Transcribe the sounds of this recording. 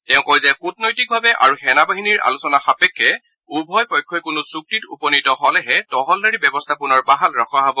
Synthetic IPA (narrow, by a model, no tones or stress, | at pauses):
tɛʊ̃kɔjzɛxut̚nɔjtik̚bʱabɛʔa̰ɹuxɛnabaɦiniɹʔa̰lusɔnaxapɛkʰːɛ | ubʱɔjpɔjkʰːɔjkunusuk̚titṵpɔnitɔɦɔlɛɦɛtɔɦɔldaɹibɛbɔstʰapunɔɹbaɦalɹaxʰaɦabɔ